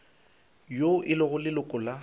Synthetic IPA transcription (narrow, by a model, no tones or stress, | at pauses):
joʔɪlʊɣʊlɪlʊkʼʊla